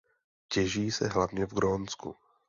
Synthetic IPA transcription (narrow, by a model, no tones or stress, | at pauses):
cɛʒiːsɛɦlavɲɛvɡɾoːnskṵ